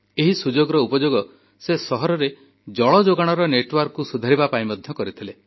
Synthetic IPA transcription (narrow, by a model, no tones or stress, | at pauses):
eɦisud͡ʒoɡɔɾɔupɔd͡ʒoɡɔ | sesɔɦɔɾɔɾe | d͡ʒɔɭɔd͡ʒoɡaɽ̃ɔɾɔneʈwaɾkkːusud̪ʱaɾibapaĩmɔd̪ʱjɔkɔɾit̪ʰile